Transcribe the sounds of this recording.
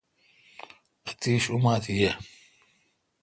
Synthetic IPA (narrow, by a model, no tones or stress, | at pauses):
t̪iːʃumaːt̪ʰijɛ